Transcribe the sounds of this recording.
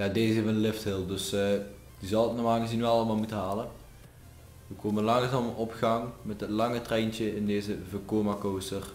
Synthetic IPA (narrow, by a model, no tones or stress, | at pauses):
jaːdeːzevəənlɪfthɪlˠdɵs | dizɑlˠtnɔmaːŋəsdinɑlˠəmaːlˠmutəɦaːlə | ʋəkoːmənlɑŋsɔməɔpxɑŋmɛtətlɑŋətrɛjnt͡ʃəɪndeːzəvəkoːmakowstər